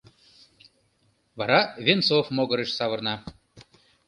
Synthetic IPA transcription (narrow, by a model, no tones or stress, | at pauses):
βɑɾɑvʲensofmoɣɤ̆ɾĕʃsɑβɤ̆rnɑ